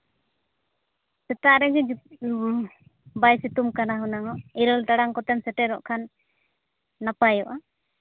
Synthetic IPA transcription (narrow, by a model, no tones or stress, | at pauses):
sɛt̪aɾɛd͡ʒɛ | bajsit̪umkanaɦunaŋɔʔiɾɔlt̪aɽaŋkɔt̪ɛmsɛʈɛɾɔʔkʰan | apajɔʔa